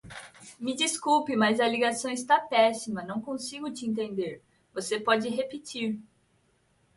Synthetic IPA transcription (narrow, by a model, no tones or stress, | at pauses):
mɪd͡ʒiskupɪmɐjzɐliɡasɐ̃w̃ɪst̪apɛsimɐnɐ̃w̃kõsiɡʊt͡ʃɪẽnt̪ẽnd̪eɾ | vosepɔd͡ʒɪɦepit͡ʃiɾ